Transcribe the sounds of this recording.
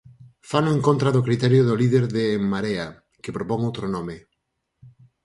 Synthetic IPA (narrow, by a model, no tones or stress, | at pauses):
fanʊeŋkont̪ɾaðʊkɾit̪ɛɾjoðʊliðeɾðeŋmaɾea | kɪpɾopɔŋowt̪ɾonɔmɪ